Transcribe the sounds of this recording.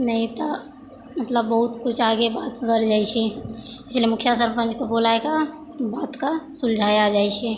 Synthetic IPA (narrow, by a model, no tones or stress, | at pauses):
nəit̪ɔ | mət̪ləbːəɦut̪kut͡ʃʰaɡebat̪bəɾd͡ʒajt͡ʃʰɛislemukʰjas̬əɾpə̃nd͡ʒkebolaeka | bat̪kasuld͡ʒʱajad͡ʒajt͡ʃʰɛ